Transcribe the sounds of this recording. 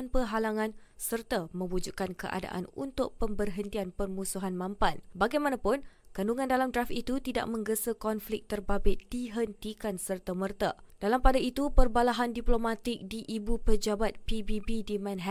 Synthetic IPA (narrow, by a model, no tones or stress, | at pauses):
npəɦalaŋãnsərt̪amə̃mbud͡ʒuʔkankə̰ʔa̰da̰ʔa̰nṵnt̪ʊk̚pəmbərɦənt̪ianpərmusuɦanmãmpanbaɡajmanapʊnkanuŋãndalamdrafit̪ut̪ida̰ʔ̚mə̃ŋɡəsəkɔnflɪk̚t̪ərbabɪt̪̚d̥iɦənt̪ikansərt̪amərt̪ad̥alampadait̪upərbalaɦandiplomat̪ɪk̚diʔibupəd͡ʒabat̪̚pibibidimɛ̃nɦɛ